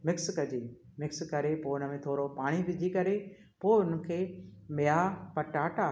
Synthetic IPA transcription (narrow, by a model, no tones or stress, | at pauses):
mɪkskɐd͡ʑeːmɪkskɐɾepoːɪnə̆mẽt̪ʰoːɾopaːɽ̃iʋɪd͡ʑʱikɐɾe | poːʊnə̆kʰeːmɪjaːpɐʈaːʈaː